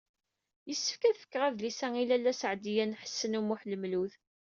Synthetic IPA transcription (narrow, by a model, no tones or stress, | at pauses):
jəsːə̥fkæðfə̥kːʁæðlisæŋilælːæsəʕd̪ijænħə̥sːənumuħləmluθ